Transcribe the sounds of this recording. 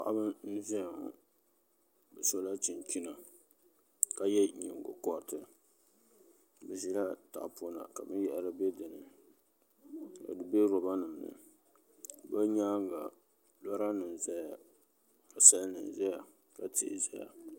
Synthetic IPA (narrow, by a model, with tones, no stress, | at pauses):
pa̰˦˨ʔa˦bɨ˦n̩˦zɛ˦˨ŋ˨ | bɨ˨so˦la˦t͡ʃi˨nt͡ʃi˦na˨ | ka˨jɛ˦ɲɪ̰˨ŋ˨ɡo̰˨kɔ˦ɾtɨ˨ | bɛ˨zi˦la˦ta̰˨ʔpo˦na̰˨ka˨bɨ˦jɛ˨ʔɾɨ˦be˦dɨ˨nɨ̰˨ | ka̰˨dɨ˨be˦ɾɔ˨ba˦nɨ˨m˨nɨ̰˨ | ba˦ɲaː˦ŋ˦ɡa˨ | la˦ɾa˦nɨ˨m˨za˦ja˨ | a˨sa˦lnɨ̰˨n˨za˦ja˨ | ka˨tʰḭ˨ʔzɛ̰˦ja̰˨